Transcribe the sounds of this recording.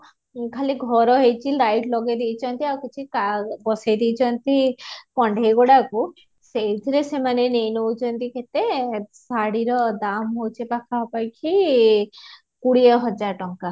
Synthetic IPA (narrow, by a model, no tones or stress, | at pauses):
kʰaliɡʱɔɾɔɦejt͡ʃʰiɾajʈlɔɡed̪ejt͡ʃʰɔnt̪iawkut͡ʃʰikabɔsajd̪ejt͡ʃʰɔnt̪ipɔɳɖʱejɡoɽaku | sejd̪ʱiɾesemanenejnowt͡ʃʰɔnt̪ikʰet̪esaɽiɾɔd̪amɦowt͡ʃʰipakʰaɔpajkʰi | kuɽiɔɦɔd͡ʒaɾʈɔŋka